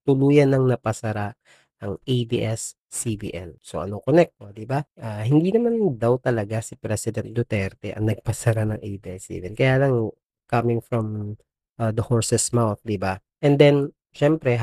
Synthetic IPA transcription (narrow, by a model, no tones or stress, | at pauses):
t̪ʊluːjɐnːɐŋnɐpɐsɐɾa | ʔɐŋʔejbḭʔɛsː | ibḭʔɛ̰lso̞ʔɐ̰nokonɛk̚t̪od̪ɪbaʔahɪnd̪inɐmand̪awt̪ɐlɐɡasɪpɾɛsɪd̪ɛnt̪̚d̪ot̪ɛɾt̪ɛʔɐ̰ŋnɐɡ̚pɐsɐɾanɐŋʔejbiːʔɛsːḭbḭɛlkɐjaːlɐŋ | kɐmɪŋfɹɔm | ʔad̪ɐhoɹsɛsmawθ̚d̪ɪbaʔɛnd̪ɛn | ʃɛmpɾɛ